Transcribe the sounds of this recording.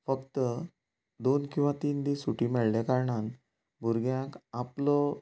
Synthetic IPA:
fəkt̪ə | d̪onkĩw̃ʋat̪iːnd̪iːsuʈimɛɭlekaɾɳan | bʱuɾɡjãkaplɔ

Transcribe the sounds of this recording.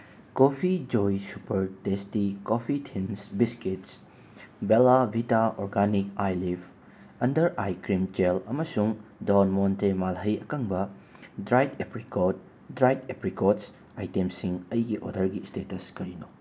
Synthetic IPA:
kopʰid͡ʒojsupɐɾtestikopʰitʰinsbiskets | belabʱitaɔɾɡanikajlipʰ | ɐndɐɾajkɾimt͡ʃelɐmɐsuŋdonmontemalɦɐjɐkaŋbɐ | dɾajdepɾikot̚ | dɾajtepɾikots | ajtemsiŋɐjɡiʔo̰dɐɾɡistetɐskɐɾino

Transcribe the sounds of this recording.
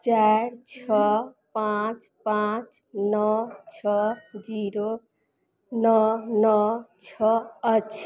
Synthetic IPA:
t͡ʃaɾt͡ʃʰɔ | pãt͡ʃ | pãt͡ʃ | nɔt͡ʃʰɔd͡ʒiɾo | nɔnɔt͡ʃʰɔətːʃʰ

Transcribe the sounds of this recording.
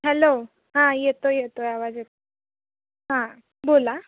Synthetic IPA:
ɦɛlo | ɦãjet̪ojet̪ojaʋad͡zjet̪o | ɦã | bola

